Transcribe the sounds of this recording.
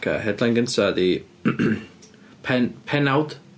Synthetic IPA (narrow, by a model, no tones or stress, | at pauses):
ɡʰa̰ɦɛdlˠanɡənsadi | pʰɛnpʰɛnawd̥